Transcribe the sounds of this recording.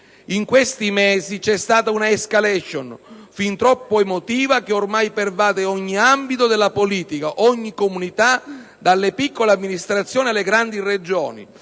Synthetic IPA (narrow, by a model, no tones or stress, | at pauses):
iŋkwest̪imɛːzit͡ʃɛst̪aːt̪aunaeskalɛʃonfint̪ɾɔpːoemot̪iːvakeormajpervaːd̪eɔɲːiambit̪od̪elːapoliːt̪ikaʔɔɲːikomunit̪a | d̪alːepikːoleamːinist̪ɾat̪sjoːnialːeɡɾand̪ired͡ʒɔːnḭ